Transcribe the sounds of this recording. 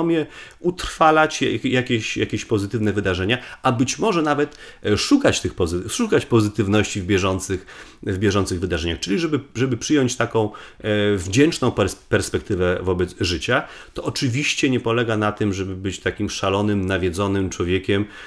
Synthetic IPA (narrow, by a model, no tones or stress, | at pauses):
ɔmʲjɛ | ut̪ɾ̥falat͡ɕjakʲeɕjakʲeɕpɔzɘt̪ɘvnɛvɘd̪aʐɛɲaʔabɘt͡ɕmɔʐɛnavɛt̪ʂukat͡ɕt̪ɘxpɔzʂukat͡ɕpɔzɘt̪ɘvnɔɕt͡ɕivbʲjɛʐɔnt̪sɘx | vbʲjɛʐɔnt̪sɘɣvɘd̪aʐɛɲaxt͡ʂɘlʲiʐɛbɘʐɛbɘpʂɘjɔɲt͡ɕt̪akɔ̃w̃vd͡ʑɛnt͡ʂnɔ̃w̃ppɛɾspɛk̚t̪ɘvɛvɔbɛd̪zʐɘt͡ɕat̪ɔʔɔt͡ʂɘvʲiɕt͡ɕɛɲɛpɔlɛɡanat̪ɘmʐɛbɘbɘt͡ɕt̪akʲimʂalɔnɘmnavʲjɛd̪zɔnɘmt͡ʂwɔvʲjɛkʲɛm